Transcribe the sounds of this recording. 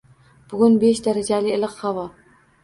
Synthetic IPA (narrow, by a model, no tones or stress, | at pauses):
b̥ʊɡʲʊnbeʃd̪aɾad͡ʒalɪːlˠɨqhavɒ